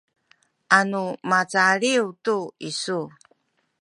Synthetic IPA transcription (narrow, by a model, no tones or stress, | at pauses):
ʔanumat͡saɭiutuisu